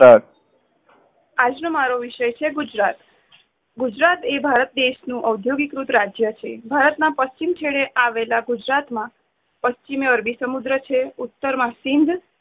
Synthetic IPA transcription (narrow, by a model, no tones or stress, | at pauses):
a | ad͡ʒnomaɾoʋiʃəjt͡ʃʰeɡud͡ʒɾat̪ | ɡud͡ʒɾat̪ebʱaɾət̪̚d̪eʃnũʔəwd̪ʱjoɡikɾut̪ɾad͡ʒjət͡ʃʰebʱaɾət̪nãpəst͡ʃimt͡ʃʰeɭeʔaʋelaɡud͡ʒɾat̪mã | pəst͡ʃimeəɾbisəmud̪ɾət͡ʃʰeut̪ːəɾmãsɪnd̪ʱ